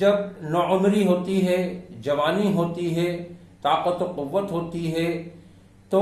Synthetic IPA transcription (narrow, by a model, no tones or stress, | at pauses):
d͡ʒɐbnɔʊmɾiɦoːt̪iɦɛd͡ʒɐʋaːniɦoːt̪iɦɛ | t̪aːqət̪oqʊʋːət̪ɦoːt̪iɦɛ | t̪o